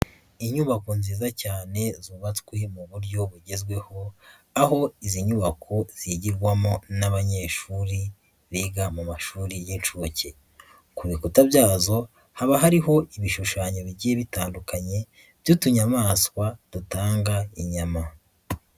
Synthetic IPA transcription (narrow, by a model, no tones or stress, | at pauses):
iɲuβakonziːzacaːne̞zuβatkwe̞muβuɾɟo̞βuɟe̞zɡwe̞ho̞ | aɦo̞iziɲuβakʰoz̥iɟiɾɡwamonaβaɲe̞ːʃuɾi | βiːɡamumaʃuːɾijinʃuoce | kuβikutabjaːzo̞ | haβaɦaɾiɦo̞iβiʃuʃaːɲoβiɟijeβitaːndukaɲe̞ | v̥jutuɲamaːskwad̥utaːŋɡaiɲama